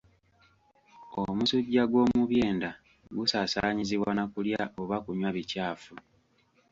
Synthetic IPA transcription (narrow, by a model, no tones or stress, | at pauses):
omusuɟːaɡwo̞ːmuβjeːnda | ɡusaːsaːɲiziβwanakuljaʔoβakuɲwaβicaːfu